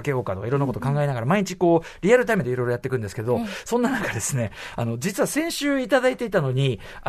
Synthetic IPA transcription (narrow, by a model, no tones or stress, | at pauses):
ke̞jo̞ːkat̪o̞ka̰iɾonːakot̪okãŋɡaenaɡaɾamaiɲ̟it͡ɕiko̞ː | ɾʲiaɾɯ̟t̪aimed̪e̞iɾo̞jɾojat̪ːekɯ̟̃nd̪esɨ̥ke̞d̪o̞sõ̞nːanakad̪e̞sɨne̞ano̞d͡ʑit͡sɨβasẽ̞ɰ̃ɕɨːit̪ad̪ait̪e̞it̪ano̞ɲ̟i